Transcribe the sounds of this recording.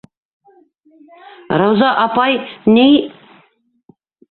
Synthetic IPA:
ɾɑwzɑʔɑpɑjnij

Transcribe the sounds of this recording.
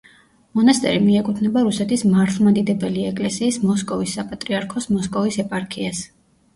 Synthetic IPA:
mɔnast̪ʼɛ̰ɾimiɛkʼut̪ʰnɛbaɾusɛt̪ʰismaɾt̪ʰlˠmad̪id̪ɛbɛliɛkʼlɛsiːsmɔskʼɔvisːapʼat̪ʼɾiaɾkʰɔsmɔskʼɔvisɛpʼaɾkʰias

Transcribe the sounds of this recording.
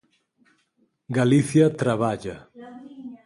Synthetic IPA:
ɡaliθiat̪ɾaβ̞aʎa

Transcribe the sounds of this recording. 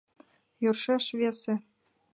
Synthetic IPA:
jorʃeʃβese

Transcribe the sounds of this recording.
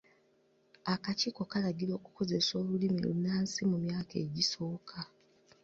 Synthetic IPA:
akaciːko̞kalaɡiɾo̞ːku̥ko̞ze̞so̞ːlulimilṵnaːnsimumjaːkeːɟiso̞ːkʰa

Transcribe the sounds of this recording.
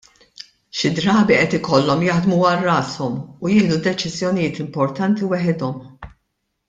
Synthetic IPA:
ʃɪd̪ɾɐːbiʔɛt̪ɪkɔlːɔmjɐħd̪muɐrːɐːsɔmujɪːhlud̪ɛt͡ʃɪzjɔnɪjɪːt̪ɪmpɔɾt̪ɐnt̪iwɛħɪd̪ɔm

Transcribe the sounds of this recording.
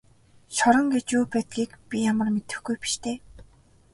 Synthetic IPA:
ʃɔɾɞ̆ŋɡet͡ɕuːpæːt̪̚ɡʲiːkpʲijamə̆rmet̪ɘ̆xɡujpi̥ʃt̪ʰeː

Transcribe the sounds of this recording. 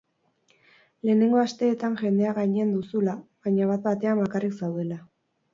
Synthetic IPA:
le̞ːne̞ŋɡo̞ast̪e̞ːt̪anʝe̞nd̪e̞aɣaɲeend̪usulaβaɲaβat̪̚bat̪e̞ambakariksawðe̞la

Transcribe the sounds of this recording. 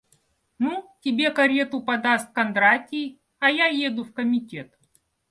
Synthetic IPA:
nutʲɪbʲe̞kɐɾʲet̪ʊpɐd̪ast̪̚kɐnd̪ɾatʲij | ɐjajed̪ʊfkəmʲɪtʲet̪

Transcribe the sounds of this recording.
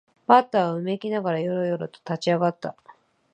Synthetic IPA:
bat̪ːaβaɯ̟me̞kʲinaɡaɾajoɾojo̞ɾɯ̟t̪o̥t̪at͡ɕiaɡat̪ːa

